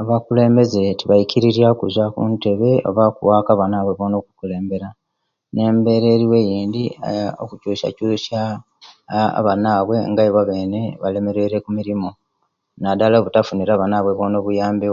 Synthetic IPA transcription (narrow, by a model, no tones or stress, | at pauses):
aβakule̞ːmbe̞ze̞tiβajiciɾiɾjakuzakunte̞βe̞o̰βakuwakaβanaβweβoːno̞ːku̥kule̞ːmbe̞ɾa | ne̞ːmbe̞ɾeːɾiwe̞jiːnd̪io̰kucuːʃa̰cuːʃa | βanaːβwe̞ŋɡajiβaβe̞ːne̞βale̞me̞ɾe̞ɾe̞kumiɾimo̞ | nadalaβutafuniɾaβanaβwe̞βoːno̞βujaːmbi